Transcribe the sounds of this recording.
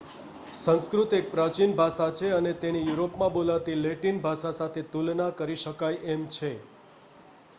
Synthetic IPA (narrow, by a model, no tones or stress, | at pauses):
sə̃nskɾut̪ek̚pɾat͡ʃinbʱaʃat͡ʃʰeənet̪enijuɾopmãbolat̪ileʈinbʱasasat̪ʰet̪ulnakəɾiʃəkajʔemt͡ʃʰe